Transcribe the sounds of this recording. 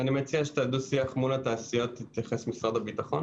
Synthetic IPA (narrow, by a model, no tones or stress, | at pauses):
animet͡siaʃe̥t̪ad̪usiaχmulat̪aːsijo̞t̪ːit̪jaχesmisʁad̪abit̪aχo̞n